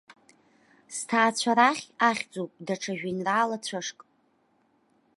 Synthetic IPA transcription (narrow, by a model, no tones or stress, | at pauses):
stʰaːt͡ɕʷʰaɾaχʲaχʲd͡zowpʼdaʈ͡ʂʰaʒᶣinraːlat͡ɕʷʰaʂkʼ